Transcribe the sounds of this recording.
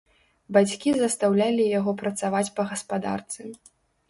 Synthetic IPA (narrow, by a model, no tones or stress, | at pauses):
bat͡sʲkʲizɐst̪awlʲalʲijaɣɔpɾɐt̪savat͡sʲpɐɣɐspad̪a̰rt̪sɨ